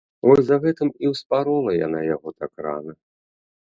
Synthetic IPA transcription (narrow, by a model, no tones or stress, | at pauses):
vɔjʲzaɣɛt̪ɨmiwspaɾɔlˠɐja̰najaɣɔt̪akra̰nɐ